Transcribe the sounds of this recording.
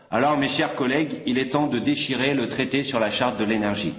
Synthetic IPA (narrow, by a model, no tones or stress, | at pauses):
alɔʁmeʃɛʁkɔlɛɡilɛt̪ɑ̃d̪əd̪eʃiʁelət̪χet̪esyʁlaʃaʁt̪̚d̪əlenɛʁʒḭ